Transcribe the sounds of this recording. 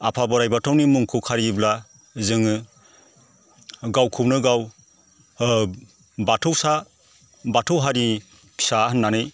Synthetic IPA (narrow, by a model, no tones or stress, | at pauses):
apʰabɔɾajbatʰawnimuŋkʰukʰaɾibla | zɯŋɯ | ɡawkʰupnɯɡaw | batʰɯwsa | batʰɯwɦaɾi | pʰi̥sahɯnːanɯj